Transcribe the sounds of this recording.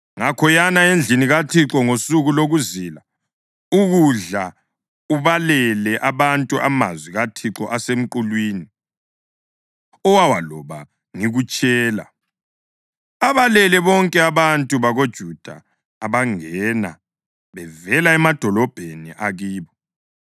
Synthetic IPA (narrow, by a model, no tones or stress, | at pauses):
ŋakʰɔjanaend͡ɮʱiniɣatʰiǁɔŋosuɣuloɣuziːla | uɣuɮa | uβalɛlɛʔaβantʼuʔa̰ma̰zwiɣatʰiǁɔʔasem̩ǃulwiːni | ɔwawalɔβa | ŋiɣut͡ʃʼɛːla̰ | aβalɛlɛβɔŋkʼɛaβantʼuβaɣod̥ʒ̥ʱud̥ʱa̰ː | βaŋɛna̰ | βɛvɛlaɛmad̥ʱɔlɔb̥ʱenḭʔaɣiːβɔ